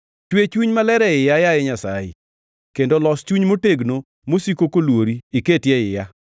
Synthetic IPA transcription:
t͡ʃwet͡ʃuɲmalɛɾɛɪjajajɛɲasajɪ̰ | kendolɔst͡ʃuɲmoteɡno | mosikokolwoɾiɪketjɛɪja

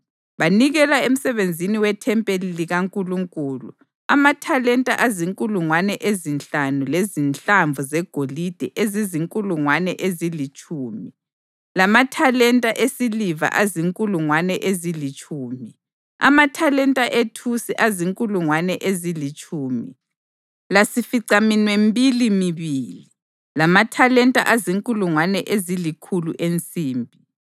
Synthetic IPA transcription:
βaniɣɛlaem̩sɛβend͡zʱiniwɛtʰɛmpʼeliliɣaŋkʼuluŋkʼuːlṵ | amatʰalɛntʼaʔaziŋkʼuluŋwanɛʔezint͡ɬanulezint͡ɬaɱvuzɛɡ̥ʱolid̥ʱɛʔeziziŋkʼuluŋwanɛʔezilit͡ʃʼuːmi | lamatʰalɛntʼaʔesiliva̰ʔaziŋkʼuluŋwanɛʔezilit͡ʃʼuːmi | a̰matʰalɛntʼaʔetʰusiʔaziŋkʼuluŋwanɛʔezilit͡ʃʼuːmi | lasifiǀaminwembʱilimiβiːli | lamatʰalɛntʼa̰ʔaziŋkʼuluŋwanɛʔezilikʰuluʔent͡sʼiːmbʱi

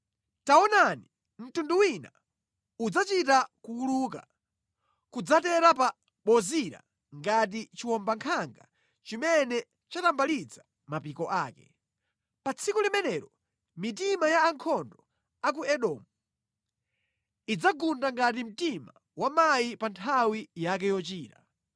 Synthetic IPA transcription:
taɔnani | m̩tunduwina̰ | ud͡zat͡ʃitakuuluk̬a̰ | kud͡zatɛɾapa | ɓɔziɾa̰ | ŋɡat̬it͡ʃiwɔmbaŋkʰaŋɡa | t͡ʃimɛnɛ | t͡ʃatambalid͡za | mapikɔʔaːkɛ | pat͡sʰikulimɛnɛːɾɔ | mit̬imajaːŋkʰɔndɔ | ak̬uɛɗɔmu | id͡zaɡundaŋɡat̬im̩tima | wamajipantʰawijak̬ɛjɔt͡ʃiːta

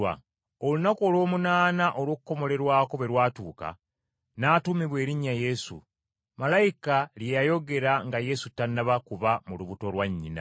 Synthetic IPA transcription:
a̰ | olunako̞ːlwo̞ːmunaːnaʔo̞lwo̞ːkuko̞mo̞le̞ɾwaːko̞βe̞ɾwaːtuːka̰ | naːtumiβwe̞ːɾiɲːaje̞sṵ | malajikaljejajo̞ɡe̞ɾaŋɡaje̞sutːanːaβakuβamuluβuto̞lwaɲːina̰

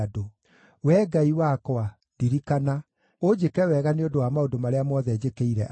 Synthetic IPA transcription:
do | wɛɡaiwakwa | diɾikana | od͡ʑekɛwɛɣaneodowamaodomaɾeamɔðɛd͡ʑekeiɾɛ̰ʔ

